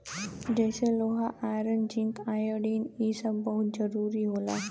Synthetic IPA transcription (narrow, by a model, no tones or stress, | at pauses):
d͡ʑeɕeloɦaʔajɾənd͡ʑint̪ajəɽiːnisəbbəɦut̪̚d͡zəɾuɾiːɦola̰